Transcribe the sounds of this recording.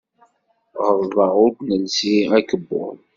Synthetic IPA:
ʁəɾðˤɑʁʊd̪nəlsiækəbːʊ̰l

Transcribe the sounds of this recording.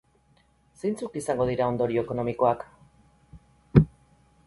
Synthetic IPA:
se̞jnt͡sukisaŋɡo̞ð̞iɾao̞nd̪o̞ɾio̞eko̞no̞miko̞ak

